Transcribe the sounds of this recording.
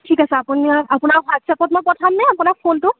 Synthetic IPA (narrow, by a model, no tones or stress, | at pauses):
tʰikasɛapuniaapʊnaɹɦatsɛpɔt̚moɹpɔtʰɔmnɛapunakpʰontʊ